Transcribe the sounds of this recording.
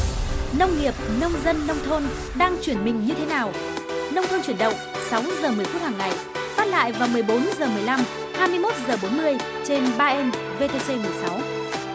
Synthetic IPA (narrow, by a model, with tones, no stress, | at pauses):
nə˧wŋ͡mŋi˨˩əp̚nə˧wŋ͡mzə˧nːə˧wŋ͡mt̪ʰo˧n | ɗaː˧ŋt͡ɕwi˧˩ənmï˨˩ŋ̟ɲɨ˧t̪ʰe˨˦naː˨˩w | nə˧wŋ͡mt̪ʰo˧nt͡ɕwi˧˩ənɗə̰˧˨wŋ͡m | sa˨˦wzəː˨˩mɨ˨˩əjt̪u˦˥ək̚haː˨˩ŋːa˨˩j | faː˦˥t̚la̰ː˧˨jvaː˨˩wmɨ˨˩əjɓo˨˦nzəː˨˩mɨ˨˩əjla˧m | haː˧jmɨ˧əjmo˦˥t̚zəː˨˩ɓo˨˦nmɨ˧əj | t͡ɕe˧nɓaː˧ʔɛ˧n | ve˧t̪e˧se˧mɨ˨˩əjsa˨˦w